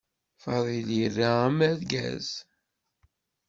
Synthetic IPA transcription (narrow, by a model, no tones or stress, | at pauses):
fɑðˤilirːaæmæðɡæ̰z̥